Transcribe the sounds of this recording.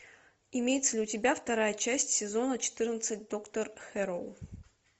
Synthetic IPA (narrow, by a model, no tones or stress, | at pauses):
ɪmʲejɪt̪səlʲɪʊtʲɪbʲaft̪ɐɾajət͡ɕæsʲtʲsʲɪzo̞nət͡ɕɪ̥t̪ɨrnət̪sɨt̚ʲd̪o̞kt̪ərxɛɾolˠ